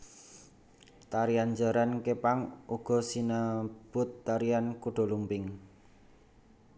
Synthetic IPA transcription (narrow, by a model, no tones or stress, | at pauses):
t̪aɾiand͡ʒaɾankepaŋuɡ̥ɔ̤sinab̥ʊt̪ːaɾiankuɖ̥ɔ̤lumpɪŋ